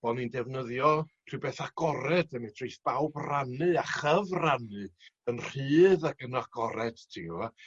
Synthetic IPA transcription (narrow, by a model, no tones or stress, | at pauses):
b̥ɔnindɛvnəðjɔr̥ʰɨwbeːθaɡ̥ɔɾɛd̥əmɛtʰrejθb̥awbranɨaχəvranɨənr̥ɨːðaɡənɔaɡ̥ɔɾɛd̥tʰiɡəva